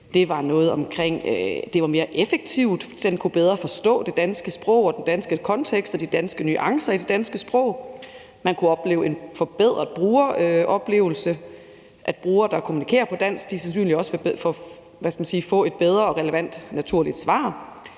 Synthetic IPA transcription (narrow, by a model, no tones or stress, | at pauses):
d̥e̝ʋɑ̈nɔ̽ːð̩ˠɒ̽mkʰʁeŋ̰d̥e̝ʋɑ̈me̝ːɐʔefeɡ̥̚t͡sʰiʊd̥d̥enkʰub̥eð̞ˠʁɐfɒ̽sd̥ɔ̰̽ːd̥e̝d̥ænsɡ̥əsb̥ʁɔ̽ʊ̰ɒd̥end̥ænsɡ̥əkʰɒ̽nt͡sʰeɡ̥sd̥ɒ̽d̥id̥ænsɡ̥əny̰ːʔɑ̈ŋsɐid̥e̝d̥ænsɡ̥əsb̥ʁɔ̽ʊ̰ | mænkʰuɒ̽b̥le̝̰ːʊe̝nfɒ̽b̥eð̞̰ˠʁɐðˠb̥ʁuːɐʔɒ̽b̥le̝̰ːʊl̩sə | ʔæd̥̚b̥ʁuːɐd̥ɑ̈kʰomunikʰe̝̰ːɐpʰɒ̽d̥æn̰sɡ̥d̥isænsy̰ːnliɒ̽sfef | ʋæskæmænsiːfɔ̰̽e̝d̥b̥eð̞ˠʁɐɒ̽ʁɛləʋæn̰d̥næt͡sʰuɐ̰lid̥sʋɑ̰̈ː